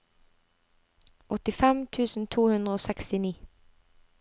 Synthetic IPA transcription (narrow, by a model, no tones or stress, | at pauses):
ʔɔt̪ɪfɛmt̪ʰʉːsn̩t̪ʰuːhʉnd̪ʁəoːsɛkst̪ɪniː